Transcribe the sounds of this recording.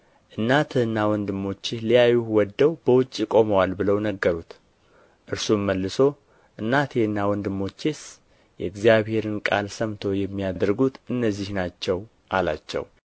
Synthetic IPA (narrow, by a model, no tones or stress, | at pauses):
ʔɨnːat̪ʰɨhɨnːawɔnd̪ɨmːo̞t͡ʃːɪlijajːuhwɔd̪ːəwbəwʊt͡ʃʼːikʼo̞məwalbɨləwnəɡːəɾut̪ | ʔɨɾsumːəlːɨso̞ | ʔɨnːat̪jɛɨnːawɔnd̪ɨmːo̞t͡ʃːes | jɛ̰ɨɡzijaβhe̞ɾɨnkʼa̰lsəmt̪ʰo̞jɛmːijadd̪ɾɡut̪ʔɨnːəzːihnat͡ʃːɛw | ʔala̰t͡ʃːɛ̰w